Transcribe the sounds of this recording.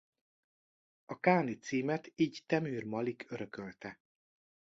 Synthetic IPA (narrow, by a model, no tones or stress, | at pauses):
ɒkaːnit̪siːmɛt̪iːɟt̪ɛmyːrmɒlikʰøɾøkølt̪ɛ